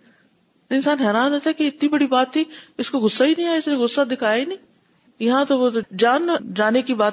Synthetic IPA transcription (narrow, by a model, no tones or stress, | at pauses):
nɪnsaːnɦɛːɾaːnat̪aɦɛkeɪt̪nibɐɽibaːt̪ʰːiɪskoɣʊsːainĩaːeɪsnẽɣʊsːad̪ɪkʰaːenĩː | jɐɦãt̪oʋod͡ʒaːnd͡ʒaːnekibaːt̪